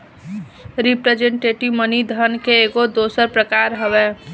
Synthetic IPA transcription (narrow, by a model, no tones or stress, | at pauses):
ɾipɾed͡ʒẽɳʈeːʈiʋmənid̪ʱənkeːɡod̪oːsəɾpɾəkaːɾɦəʋɛː